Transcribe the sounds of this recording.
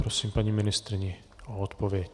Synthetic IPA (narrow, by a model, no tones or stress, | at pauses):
pɾosiːmpaɲimɪnɪst̪ɾɪɲɪ | oot̪povjɛc